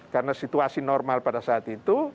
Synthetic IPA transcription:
karənasit̪uasinɔrmalpadasaːt̪it̪u

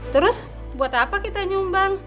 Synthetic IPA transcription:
t̪əɾʊs | buat̪apakit̪aɲumbaŋ

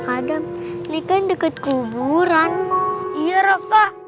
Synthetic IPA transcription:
kadamnikandəkət̪̚kubuɾanijəɾɔka

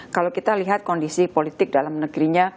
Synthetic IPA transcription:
kalawkit̪aliɦat̪̚kɔndisipolit̪ɪk̚dalamnəɡɾiɲa

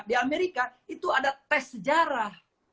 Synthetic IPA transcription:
diameɾikait̪uadap̪ɛsəd͡ʒaɾah

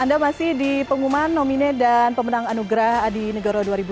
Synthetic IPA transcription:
andamasɪhdipəŋumanːominedanpəmənaŋanuɡɾahadinəɡaɾaduaɾibu

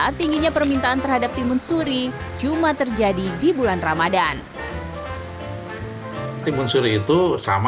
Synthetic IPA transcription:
t̪iŋɡiɲapərmint̪aːnt̪ərɦhadap̚t̪imʊnsuɾi | d͡ʒumat̪ərd͡ʒadidibulanramadan | t̪imʊnsuɾiːt̪usa̰m

